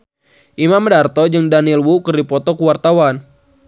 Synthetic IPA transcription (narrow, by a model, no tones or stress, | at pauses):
ʔimamdart̪ɔd͡ʒɨŋdanilwukɨrdipɔt̪ɔkuwart̪awan